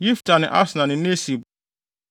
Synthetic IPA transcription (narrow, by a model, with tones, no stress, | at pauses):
ji˦ftʰa˨nɪ̰̃˨ʔa̰˦snã˨nɪ̃˨ne˦si˨b